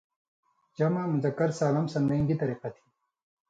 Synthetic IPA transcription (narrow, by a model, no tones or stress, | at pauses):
d͡ʒɐmamuzɐkːɐɾsaːlɐmsɐnd̪ɐĩŋɡ̪it̪ɐɾiːqat̪ʰi̥